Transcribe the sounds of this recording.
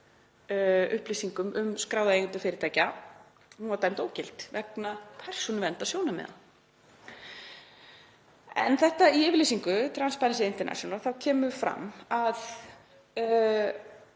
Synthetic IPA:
ʏhplisiŋkʏmʔʏmskɾaːwðaejŋʏnt̪ʏfɪːɾɪɾt̪ʰaːjca | nuvaɾt̪ajmt̪oːwcɪl̥t̪vɛknapʰɛr̥sɔnvɛnt̪asjoːwnamɛ̰ða̰ | ɛ̰nθɛht̪aiɪːvɪɾliːsiŋkʏt̪ʰɾanspaɾinsɪɪnt̪ɛɾna̰sjɔnalθawcʰɛːmʏfɾa̰mːað

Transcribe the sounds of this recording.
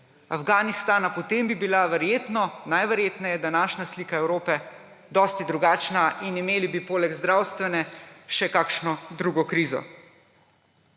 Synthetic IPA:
a̰fɡaːnist̪aːnapɔt̪eːmbibilaʋɛɾjeːt̪nɔnajʋɛɾjeːt̪najɛd̪anaːʃnasliːkaɛwɾoːpɛ | d̪ɔːst̪id̪ɾuɡaːt͡ʃnaʔinimeːlibipoːlɛɡzd̪ɾaːwst̪ʋɛnɛʃɛkakʃnɔd̪ɾuɡɔkɾiːzɔ̰

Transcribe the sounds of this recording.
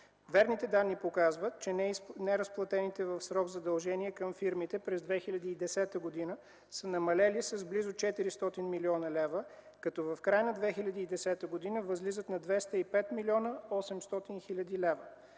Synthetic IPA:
vɛɾnit̪ɛd̪anːipokazvət̪̚t͡ʃɛnɛnɛɾəsplˠɐt̪ɛnit̪ɛvəfsɾɔɡzɐd̪ɐlˠʒɛniɛkəmfiɾmit̪ɛpɾɛzd̪vɛxilʲɐd̪iːd̪ɛsɛt̪əɡod̪inə | sənɐmɐlɛlisəzblizʊt͡ʃɛt̪iɾist̪ɔt̪inmiliɔnəlɛvə | kɐt̪ɔvɐfkɾajnɐd̪vɛxilʲɐd̪iːd̪ɛsɛt̪əɡod̪inəvəzlizət̪nɐd̪vɛst̪əipɛt̪milʲiɔnəɔsɛmst̪ɔt̪inxilʲɐd̪ilɛvə

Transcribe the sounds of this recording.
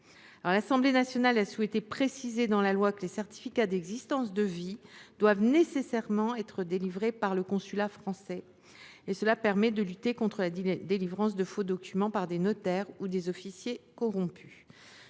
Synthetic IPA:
aɔʁlasɑ̃blenasjɔnalasuwɛt̪epχesized̪ɑ̃lalwakəlesɛʁt̪i̥fikad̪ɛɡzist̪ɑ̃s̬d̪əvid̪wavnesesɛʁmɑ̃ɛt̪χəd̪elivʁepaʁləkɔ̃sylafχɑ̃sɛ | esəlapɛʁmɛd̪əlyt̪ekɔ̃t̪χəlad̪elivʁɑ̃s̬d̪əfod̪ɔkʲymɑ̃paʁd̪enɔt̪ɛʁud̪ezɔfisjekɔʁɔ̃py̥

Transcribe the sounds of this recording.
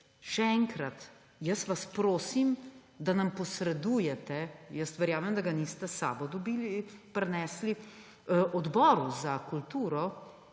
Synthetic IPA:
ʃɛɛːŋkɾat̪ | jəsʋaspɾoːsim | d̪anampɔsɾɛd̪uːjɛt̪ɛjəst̪ʋɛɾjaːmɛmd̪aɡaniːst̪ɛsa̰ːbɔd̪ɔbiːlipɾɛnɛsli | ʔɔd̪bɔːɾuzakult̪uːɾɔ

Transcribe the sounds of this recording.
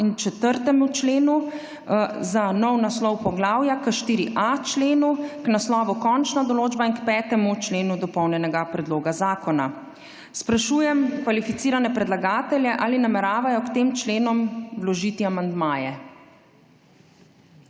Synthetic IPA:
int͡ʃɛt̪əɾt̪ɛmut͡ʃleːnu | zanɔwnaslɔwpɔɡlaːwjakəʃt̪iːɾiʔat͡ʃleːnuknaslɔːʋukɔnt͡ʃnad̪ɔloːd͡ʒbainkpɛːt̪ɛmut͡ʃleːnud̪ɔpɔwnjɛnɛɡapɾɛd̪loːɡazaːkɔna̰ | spɾaʃuːjɛmkʋalifit̪siːɾanɛpɾɛd̪laɡaːt̪ɛljɛʔaːlinamɛɾaːʋajɔkt̪eːmt͡ʃleːnɔmwlɔʒiːt̪iamand̪maːjɛ

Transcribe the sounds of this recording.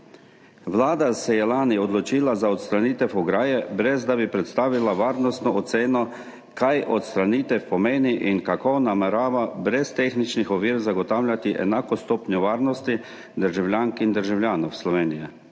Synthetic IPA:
ʋlaːd̪asɛjɛlaːniɔd̪lɔt͡ʃiːlazaɔt̪st̪ɾaniːt̪ɛfɔɡɾaːjɛbɾɛzd̪abipɾɛt̪st̪aːʋilaʋaːɾnɔst̪nɔɔt̪seːnɔ | kajʔɔt̪st̪ɾaniːt̪ɛfpɔmeːniʔiŋkakɔnamɛɾaːʋabɾɛst̪eːxnit͡ʃnixɔʋiːɾzaɡɔt̪aːwlʲjʲat̪iʔɛ̰naːkɔst̪oːpnjɔʋaːɾnɔst̪i | d̪əɾʒawlʲjaːŋkind̪əɾʒawlʲjaːnɔwslɔʋeːnijɛ

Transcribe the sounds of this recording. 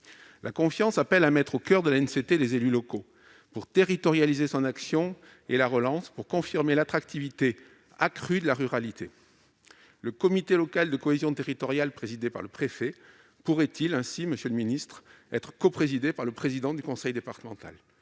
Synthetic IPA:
lʔakɔ̃fjɑ̃sapɛlamɛt̪χokʲœʁd̪əlaɛnset̪ed̪ezelylɔko | puʁt̪eʁit̪ɔʁjalizesɔ̃naksjɔ̃ | elaʁəlɑ̃spuʁkɔ̃fiʁmelat̪χak̚t̪ivit̪e | akχyd̪əlaʁyʁalit̪ʰe | ləkɔmit̪elɔkald̪əkɔezjɔ̃t̪eʁit̪ɔʁjalpχezid̪epa̰ʁləpχefɛ | puʁɛt̪ʰilɛ̃siməsjøləminist̪χ | ɛt̪χə̥kɔpχezid̪epaʁləpχezid̪ɑ̃d̪ykɔ̃sɛjd̪epaʁt̪əmɑ̃t̪a̰l

